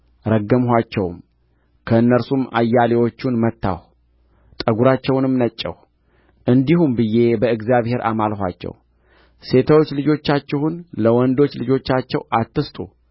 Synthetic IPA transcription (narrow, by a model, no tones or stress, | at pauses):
ɾəɡːəmɦʷat͡ʃːɛwm | kʰəɨnːəɾsumʔa̰jːalewo̞t͡ʃːunmət̪ːa̰w | t̪ʼəɡuɾat͡ʃːɛwnɨmnət͡ʃʼːɛ̰w | ʔɨnd̪ihumbɨjːe̞bəɨɡzijaβhe̞ɾʔa̰malɦʷa̰t͡ʃːɛ̰w | se̞t̪ʰawot͡ʃːlɨd͡ʒo̞t͡ʃːat͡ʃːɛhunləwɔnd̪o̞t͡ʃːlɨd͡ʒo̞t͡ʃːat͡ʃːɛ̰wat̪ːɨst̪ʼṵ